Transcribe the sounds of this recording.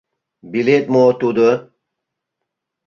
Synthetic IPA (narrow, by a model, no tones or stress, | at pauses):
bilet̪̚mot̪ud̪ə